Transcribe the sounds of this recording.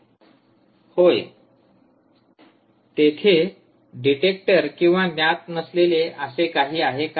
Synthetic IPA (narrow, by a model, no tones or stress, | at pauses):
hoj | t̪et̪ʰe | ɖiʈek̚ʈəɾkĩw̃ʋanjat̪̚nəsleleʔəsekaɦiːaɦeka